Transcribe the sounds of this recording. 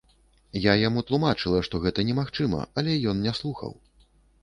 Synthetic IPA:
jajamut̪lˠumat͡ʂɨlˠɐʂt̪ɔɣɛt̪ɐnʲɛmaxt͡ʂɨmɐ̰ɐlʲɛjɔnnʲɛslˠuxɐ̰w

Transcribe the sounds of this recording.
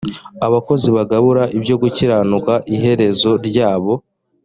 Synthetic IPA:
aβako̞ziβaɡaβuɾaʔibjo̞ɡuciɾaːnukaʔiɦe̞ɾe̞zo̞ɾɟaːβo̞

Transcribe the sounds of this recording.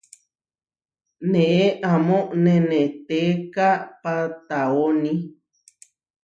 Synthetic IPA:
nẽʔeʔamõʔnẽnẽt̪ekapat̪aonĩ

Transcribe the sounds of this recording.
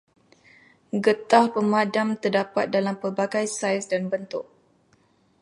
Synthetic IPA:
ɡət̪ahpəmadamt̪ərdapat̪̚dalampərbaɡajsajsdanbənt̪ʊk̚

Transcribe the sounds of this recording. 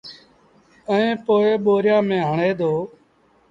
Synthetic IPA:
əẽːpoːeːɓoːɾjãːmẽːɦəɳeːd̪oː

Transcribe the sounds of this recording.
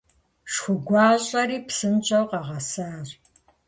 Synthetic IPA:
ʂxʷʊɡʷɑːɕʼɐɾiːpsɨnt͡ʃʼɐwqɑʁɐsaːr

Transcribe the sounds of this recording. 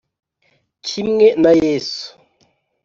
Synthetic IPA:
kʰimŋenajesu̥

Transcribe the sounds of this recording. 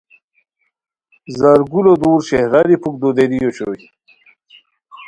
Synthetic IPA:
zɐɾɡulod̪uːɾɕehɾɐɾipʰuk̚d̪od̪eɾijoɕoji

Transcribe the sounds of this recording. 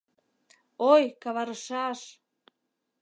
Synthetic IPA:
ojkɑβɑɾəʃɑʃ

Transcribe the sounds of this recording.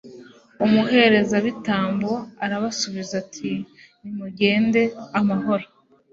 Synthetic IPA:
umuɦe̞ɾe̞zaβitaːmbuaɾaβasuβizatʰi | nimuɟe̞ːnde̞amaɦo̞ɾo

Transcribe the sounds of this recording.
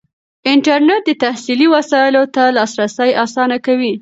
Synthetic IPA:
ɪɳʈaɾneʈ̚d̪ət̪ahsiliwasɑɪlot̪alɑsɾasajʔɑsɑnakawi

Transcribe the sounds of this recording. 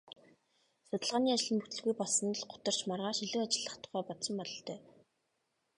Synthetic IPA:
sʊt̪ə̆ɮʁaːniːat͡ɕɪ̆ɮɘ̆mput̪ɘ̆ɮɣujpɔɮsɞ̆n̆ɮɢʊ̥t̪ə̆r̥t͡ɕmarʁaːʃiɮɘ̆ːat͡ɕɪ̆ɮːə̆χt̪ʰʊ̥̆χæːpɔt̪sɞ̆mpɔɮɞ̆ɬt̪ʰœː

